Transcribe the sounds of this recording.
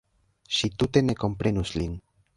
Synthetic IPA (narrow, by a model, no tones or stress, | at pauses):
ʃit̪ut̪e̞ne̞ko̞mpɾe̞nuslin